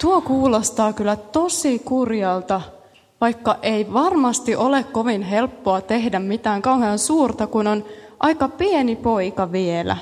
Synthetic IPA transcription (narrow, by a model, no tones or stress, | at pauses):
t̪uokuːlost̪ɑːkylːˑæt̪osikurjɑlt̪ɑ | ʋɑjkːɑʔeiʋɑrmɑst̪iʔolekko̞ʋinɦelpːoɑt̪eɦdæmmit̪æːŋkɑuheɑnsuːrt̪ɑkunonʔɑjkɑpienipo̞ikɑʋielæ̰